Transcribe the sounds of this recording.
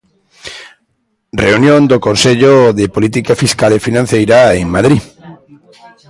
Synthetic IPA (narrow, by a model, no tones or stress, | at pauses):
reunjõnd̪okonseʎoðepolit̪̬ikafiskalefinãn̟θejɾaeŋmaðɾi